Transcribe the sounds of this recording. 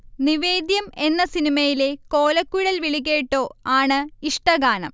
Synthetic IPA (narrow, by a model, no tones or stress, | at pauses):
niʋe̞ːd̪jɐme̞nːɐsinimɐjile̞ko̞ːlɐkːuɽɐlʋiɭiɣeːʈːo̞ːaːɳɨiʂʈɐɡaːnɐ̰m